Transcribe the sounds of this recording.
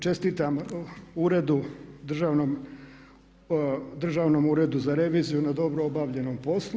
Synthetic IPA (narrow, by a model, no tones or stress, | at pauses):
t͡ʃe̞st̪iːt̪amuɾed̪ud̪r̩ʒaːʋnom | d̪r̩ʒaːʋnoːmuɾe̞d̪uzaɾe̞ʋiːzijunad̪o̞bɾoobaːʋʎe̞nompo̞slˠu